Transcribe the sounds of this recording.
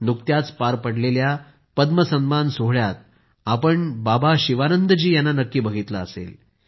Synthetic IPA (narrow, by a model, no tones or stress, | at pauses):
nuk̚t̪jat͡spaɾpəɽlelja | pəd̪məsəmmansoɦɭjat̪̚ | apəɳbabaɕiʋanənd̪əd͡ʑiːjanːanəkːiːbəɡʱit̪laəsḛl